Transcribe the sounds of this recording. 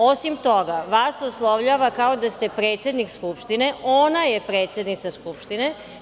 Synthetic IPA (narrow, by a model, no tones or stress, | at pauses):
o̞simt̪o̞ɡaʋaːsoslˠoʋʎaʋakaod̪ast̪e̞pɾeːt̪sjed̪nikskupʃt̪ine̞onajepɾe̞ːt̪sjed̪nit̪saskupʃt̪ine